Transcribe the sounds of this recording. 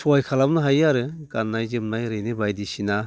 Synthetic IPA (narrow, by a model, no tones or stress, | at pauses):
sʰɔajkʰalamnɯɦajaɾɯɡanːajzɯmnajɾɯjnɯbajdisina